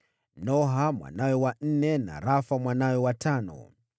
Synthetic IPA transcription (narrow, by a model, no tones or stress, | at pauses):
nɔɦamwa̰najɛwan̩nɛna̰ɾafamwanawɛwatʰanɔ̰